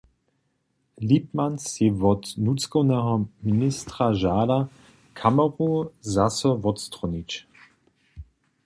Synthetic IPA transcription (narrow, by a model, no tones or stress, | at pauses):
lip̚mansivɔt̪nut͡skɔwnɛɦɔministʁaʒaːda | kʰamɔʁuzasɔvɔt̪st̪ʁɔnit͡ʃ